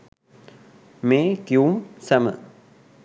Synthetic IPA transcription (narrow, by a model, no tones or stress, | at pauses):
meːkjuːmsɐmə̰